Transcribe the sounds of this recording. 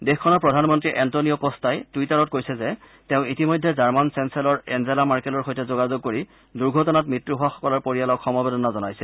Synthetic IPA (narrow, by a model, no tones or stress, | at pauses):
dexkʰɔnɔɹpɹɔdʱanmɔntɹiʔɛntoniɔpɔstajtuitaɹɔt̚kojsɛzɛ | teʊ̃itimojdʱːɛzaɹmansɛnsɛlɔɹɛnzɛlamaɹkɛlɔɹxojtɛzoɡazoɡ̚koɹi | duɹɡʱɔtɔnat̚mɹitɹuɦʊwaxɔ̥kɔlɔɹpoɹijalɔkxɔmɔbedɔnazɔnajsɛ